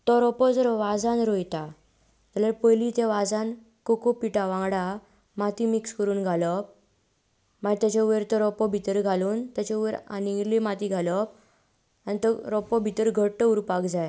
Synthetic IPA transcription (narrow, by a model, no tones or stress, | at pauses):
t̪ɔɾɔpɔd͡zəɾʋad͡zanɾojt̪a | t̪ələɾpəjlit̪ẽʋad͡zan | kokopiʈaʋãŋɡɽa | mat̪imikskəɾuːnɡʱalɔp̚ | maɡt̪at͡ɕauʋeɾt̪ɔɾɔpɔbʱit̪əɾɡʱaluːnt̪jat͡ɕauʋeɾa̰niŋɡɾlimat̪iɡʱalɔp̚ | anit̪əɾɔpɔbʱit̪əɾɡʱəɽʈəuɾpakd͡zaj